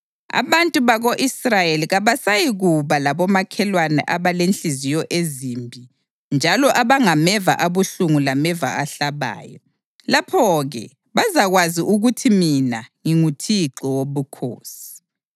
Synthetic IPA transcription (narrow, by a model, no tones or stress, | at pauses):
a̰βantʼuβaɣoʔisrajeliɣaβasajiɣuβalaβɔmakʰɛlwanɛ̰ʔaβalenɬizijɔʔezimbʱi | nd͡ʒʱalɔʔaβaŋamɛva̰ʔaβuɬuŋulamɛva̰aɬaβa̰ːjɔ | lapʰɔɣɛ̰ | βazaɣwaziʔuɣutʰiminaŋiŋutʰiǁɔwoβukʰo̰ːsi̥